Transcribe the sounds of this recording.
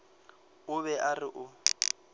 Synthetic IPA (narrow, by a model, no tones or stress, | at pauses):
ʊβɛʔarɪʔʊ